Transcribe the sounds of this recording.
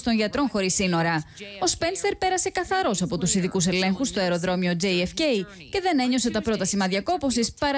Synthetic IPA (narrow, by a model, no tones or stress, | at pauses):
st̪o̞nʝɐt̪ɾo̞ŋxo̞ɾisino̞ɾɐo̞spe̞nst̪e̞ɾpe̞ɾɐse̞kɐθɐɾo̞sɐpo̞t̪usiðikuse̞le̞ŋxust̪oɐeɾo̞ðɾo̞mio̞d͡ʒeefce̞j | ce̞ðe̞ne̞ɲo̞se̞t̪ɐpɾo̞t̪ɐsimɐðjɐko̞po̞sispɐɾ